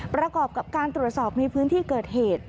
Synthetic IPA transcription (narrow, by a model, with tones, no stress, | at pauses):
pɾa˧kɔː˨˩p̚ka˨˩p̚kaː˧nt̪ɾu˨˩ət̪̚sɔː˨˩p̚na˧jpʰɯː˦˥nt̪ʰiː˥˩kɤː˨˩t̪̚heː˨˩t̪̚